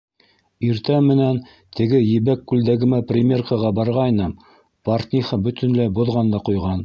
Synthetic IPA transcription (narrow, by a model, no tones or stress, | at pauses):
iɾt̪æmɘ̆næn | t̪ɘ̆ɡɘjɘ̆βækːʉld̪æɡɘ̆mæprʲɪmʲe̞rkɑʁɑbɑɾʁɑjnɤm | part̪ʲnʲiχɤbɵ̆t̪ʰɘ̆nlæjbŏðʁɑnd̪ɑqujʁɑn